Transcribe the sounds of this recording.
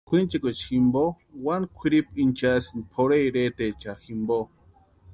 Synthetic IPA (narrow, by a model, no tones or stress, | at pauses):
kʷʰint͡ʃekʷet͡ʃximbo | wankʷʰiɾipint͡ʃasinpʰoɾeɾeːt̪et͡ʃaximbo